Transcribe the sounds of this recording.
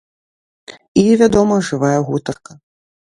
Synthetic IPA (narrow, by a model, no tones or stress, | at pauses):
ivʲad̪ɔmɐʐɨvajɛɣut̪ɐrkɐ